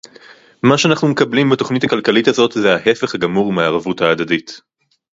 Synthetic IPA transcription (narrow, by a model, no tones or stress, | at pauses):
maʃeanaχnume̞kɐblimbeto̞χnitakalkalithazo̞tzeahe̞feχhaɡamuʁimaːʁavuthaːdadit